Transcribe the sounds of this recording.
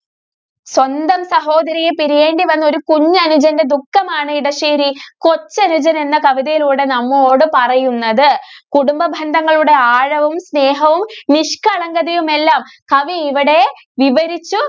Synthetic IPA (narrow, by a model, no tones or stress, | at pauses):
swɐnd̪ɐmsɐɦo̞ːd̪ɐɾijepiɾije̞ːɳɖiʋɐnːo̞ɾukuɲːɐnud͡ʑɐnde̞d̪ukːɐmaːɳɨiɽɐʂiːɾiko̞t͡ɕːɐnud͡ʑɐne̞nːɐkɐʋiðɐjiluːɽe̞nɐmːoːɽɨpɐrɐjunːɐðɨkuɽumbɐbʱɐnd̪ʱɐŋːɐɭuɽe̞aːɻɐʋumsne̞ːɦɐʋumniʂkɐɭɐŋɡɐðɐjume̞lːaːmkɐʋiiʋiɽe̞ | ʋiʋɐɾit͡ɕːu